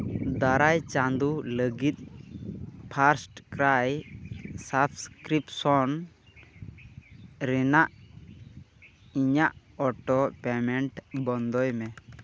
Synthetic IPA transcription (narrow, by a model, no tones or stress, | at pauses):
d̪aɾajt͡ʃand̪uləɡit̪̚ˀ | pʰaɾsʈkɾaj | sabskɾipsɔn | ɾɛnaʔ | iɲaʔ | ɔʈɔpɛmɛɳʈbɔnd̪ɔjmɛ